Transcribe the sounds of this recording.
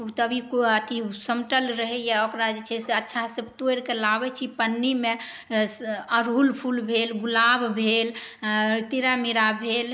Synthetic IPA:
ut̪əbʱikət̪ʰisəmʈəlɾəɦɛjaokɾad͡ʒet͡ʃʰɛseətːʃʰasəbʱt̪oeɾkelabɛt͡ʃʰipənːime | əɾɦulpʰulbʱelɡulabbʱel | t̪iɾamiɾabʱel

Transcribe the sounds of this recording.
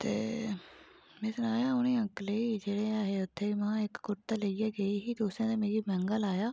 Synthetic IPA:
t̪ḛː | mɛ̃ːsənaːjaːʊnẽːə̃ŋkləiːd͡ʒeːɽeːaːɦeːʊt̪ʰːeːimãːɪkɡʊʈt̪aːleiːaːɡəiːɦiːd̪oːsãːt̪eːmeːɾiːmɛ̃ːŋɡəlaːjaː

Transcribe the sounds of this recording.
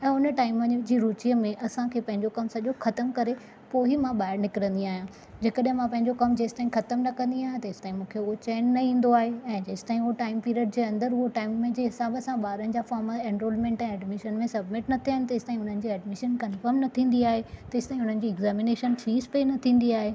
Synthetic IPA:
ɛ̃ːʊnəʈaːɪməɲd͡ʑiːɾuːt͡ɕijəmẽʔɐsãkʰeːpɐ̃ɦɪ̃ɲd͡ʑokɐmsɐʄoxɐt̪əmkɐɾe | poːɦimãɓaːɪɾnɪkɪɾə̃nd̪iaːɦjãː | d͡ʑeːkəɗɦɪ̃mãpɐ̃ɦɪ̃ɲd͡ʑokɐmd͡ʑeːsɪ̥t̪aːĩxɐt̪əmnɐkɐ̃nd̪iaːɦj̃t̪ɐɪst̪aːĩmũːkʰeʊɦot͡ɕeːnːɐĩːn̆d̪oaːɦeɛ̃ːd͡ʑeːsɪ̥t̪aːɦĩʊɦoʈaːɪmpiːɾiəɖ̚d͡ʑeːɐ̃nd̪əɾɦʊɦoʈaːɪmːẽd͡ʑeːɦɪsaːbəsãɓaːɾənɪ̆d͡ʑaːfaːɾməẽnɾoːlmẽːɳʈɛ̃ːɛɖmɪʃənmẽsɐbmɪʈnɐt̪ʰiaːɦɪ̃nɪ̆t̪ɐɪsɪt̪aːĩɦʊn̤ənɪ̆d͡ʑiɛːɖmɪʃənkɐnfəɾmnɐt̪ʰĩːn̆d̪iaːɦet̪ɐɪst̪aːĩɦʊn̤ənɪ̆d͡ʑiːɪɡzɛːmɪneːʃənt͡ɕʰiːspenɐt̪ʰĩːn̆d̪iaːɦeː

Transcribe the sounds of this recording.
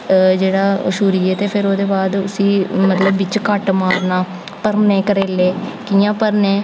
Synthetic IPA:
d͡ʒeːɽaːʃuːɾiːeːt̪eːpʰɪɾoːd̪eːbaːd̪ʊsĩːmət̪ləbːɪt͡ʃkəʈmaːɾnaː | pəɾneːkəɾeːleːkiːãːpəɾnẽː

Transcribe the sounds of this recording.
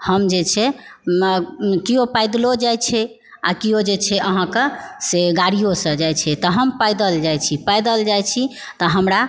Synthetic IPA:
həmd͡ʒet͡ʃʰɛ | kiopajd̪lod͡ʒajt͡ʃʰɛ | a̰kiod͡ʒet͡ʃʰɛʔəɦãkeseɡaɽijosə̃d͡ʒajt͡ʃʰɛt̪əɦəmpajd̪əld͡ʒajt͡ʃʰipajd̪əld͡ʒajt͡ʃʰi | t̪ɔɦəmɾa

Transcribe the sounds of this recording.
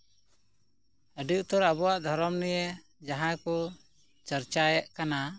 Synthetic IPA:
əɖuʔt̪ɔɾabɔwaʔd̪ʱɔɾɔmnɛje | d͡ʒaɦãjkɔ | t͡ʃəɾt͡ʃajaʔkana

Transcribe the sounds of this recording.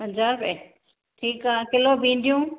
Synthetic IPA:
ɦɐ̃nd͡ʑaːɾbe | ʈʰiːkaãkɪlobʱĩːn̆d̪ijũː

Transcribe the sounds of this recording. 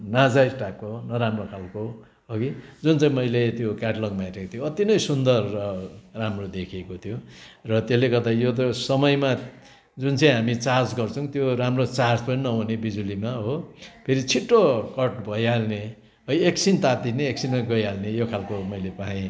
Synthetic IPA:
nad͡zajʈakːonʌɾamrokʰalko | ɦoɡid͡zunt͡saĩmʌjlet̪jokaʈlʌɡmãjɾekot̪ʰijoʌt̪inʌjsund̪ʌrːʌramrod̪ekʰiekot̪ʰjorʌt̪jeleɡʌrd̪ajot̪̬ʌsʌmʌjma | d͡zunt͡sʌĩɦamit͡sard͡zɡʌrt͡sʰʌw̃t̪joɾamrot͡sard͡zpʌninʌunebid͡zulimaɦopʰeɾit͡sʰiʈːokʌʈbʱʌjalne | ʌjeksint̪at̪̚d̪ineːksinmaɡʌjalnejokʰalkomʌjlepaɦĩ

